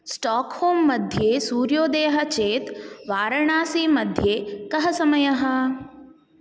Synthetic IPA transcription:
sʈɔːkhoːmːɐd̪ʱjeːsuːɾjoːd̪eːɦɐ̆t͡ʃeːt̪ʋaːɾɐɳaːsiːmɐd̪ʱjeːkɐɦɐsɐmɐjɐɦɐ̆

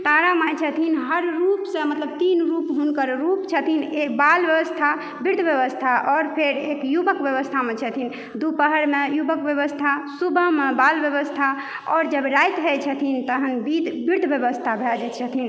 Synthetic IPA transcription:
t̪aɾamət͡ʃʰət̪ʰinɦəɾːupsə̃mət̪ləbt̪inɾupɦunkəɾɾupt͡ʃʰət̪ʰinekbalbjəʋəst̪ʰa | biɾd̪ʱbjeβəst̪ʰaʔɔːɾpʰeɾekjubəkbjəβəst̪ʰamet͡ʃʰət̪ʰin | d̪upəɦəɾmejubəkbjəβəst̪ʰasubʱəmebalbjəβəst̪ʰa | ɔɾd͡ʒəbɾajt̪ɦəjt͡ʃʰət̪ʰint̪əɦənbid̪ʱbiɾd̪ʱbjeəst̪ʰabʱɛd͡ʒɛt͡ʃʰət̪ʰin

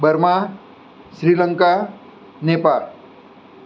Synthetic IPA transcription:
bərma | sɾilaŋka | nepar

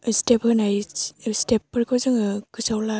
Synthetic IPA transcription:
stephɯnajstepːɯɾkʰɯzɯŋɯkɯsawla

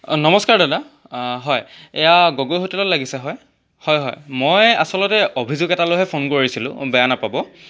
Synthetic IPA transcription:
nɔmɔskaɹdada | ɦɔjɛjaɡoɡojɦotɛlolaɡisɛɦɔj | hɔjɦɔ̰jmoja̰sɔlɔtɛʔobʱizuɡɛtaloɦɛpʰonkoɹisilʊ̰̃bɛjanapabɔ

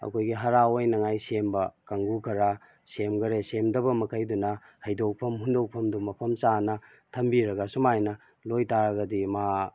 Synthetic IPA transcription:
ɐ̰kʰojɡiɦɐɾaojnɐŋajsembɐkaŋɡukʰɐɾa | semɡɐɾesemdɐbɐmɐkʰɐjdunɐ | hɐjdok̚pʰɐmhundok̚pʰɐmdumɐpʰɐmt͡ʃanɐ | tʰɐmbiɾɐɡɐsumajnɐ | lojtaɾɐɡɐdima

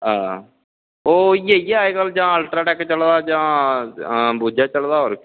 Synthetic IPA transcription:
ɦãː | oːiːeieaːeːɡəld͡ʒãːəlʈɾaːʈɛːkt͡ʃəld̪aːd͡ʒãː | buːd͡ʒaːt͡ʃəld̪aːoːɾk

